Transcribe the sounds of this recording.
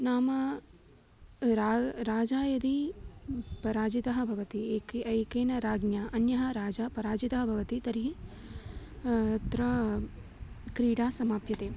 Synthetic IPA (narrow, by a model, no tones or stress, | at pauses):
naːmɐ | ɾaɾaːd͡ʒaːjɐd̪i | pɐɾaːd͡ʒit̪ɐɦɐbʱɐʋɐt̪ieːkɐjkeːnɐɾaːɡnjaʔɐnjɐɦɐ̆ɾaːd͡ʒapɐɾaːd͡ʒit̪ɐɦɐbʱɐʋɐt̪it̪ɐɾii | t̪ɾɐ | kɾiːɽaːsɐmaːpjɐt̪eː